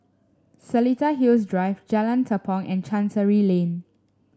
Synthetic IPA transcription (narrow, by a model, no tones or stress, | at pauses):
səlitaɦilsdɹaɪvd͡ʒɛlə̃ntəpʰɔ̃nʔɛ̃nt͡ʃãnsəɹilẽn